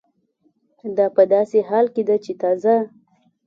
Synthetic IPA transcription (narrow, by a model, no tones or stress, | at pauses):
d̪ɑpəd̪ɑsehɑlked̪at͡ʃet̪ɑza